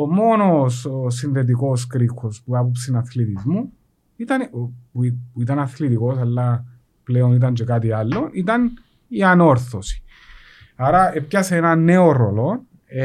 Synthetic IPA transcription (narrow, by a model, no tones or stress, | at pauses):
omo̞nososinðet̪̬iko̞s̬kɾikːospuɐp̬opsinɐθlit̪izmu | it̪ɐnpupuit̪ɐnɐθlit̪iko̞sɐlːɐ | pleonit̪̬ɐnt͡ʃekat̪ialːo̞ʔit̪ɐn | iɐno̞ɾθosi̥ | aɾɐep̚cɐseenɐnːeoɾo̰lo